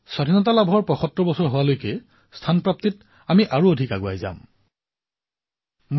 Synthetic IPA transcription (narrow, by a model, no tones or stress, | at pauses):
sadʱinɔtalabʱɔɹpɹɔxɔtɹɔbɔsɔɹɦʊwalojkɛ | stʰanpɹap̚tit | amiʔaɹuodʱika̰ɡʊa̰jza̰m | m